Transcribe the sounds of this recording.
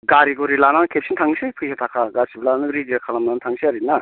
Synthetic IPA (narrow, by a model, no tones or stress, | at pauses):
ɡaɾiɡuɾilanankʰep̚sintʰaŋsipʰɯjsʰatʰakʰaɡasiblanɯɾidiɾakʰalamnantʰaŋsʰiaɾina